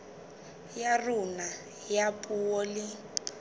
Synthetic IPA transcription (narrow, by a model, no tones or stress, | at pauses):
jarʊna | japʼuɔlɪ